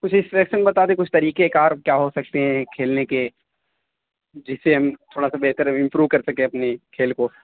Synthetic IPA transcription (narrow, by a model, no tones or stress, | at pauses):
kʊt͡ʃʰɪsʈɛːkʃənbɐt̪aːd̪ekʊt͡ʃʰt̪ɐɾiːkekaːɾkjaːɦosɐk̚t̪eɦɛ̃kʰeːlneke | d͡ʒɪsːeɦɐmt̪ʰoːɽasabɛɦt̪əɾɪ̃mpɾuːʋkɐɾsɐkẽɐpnikʰeːlko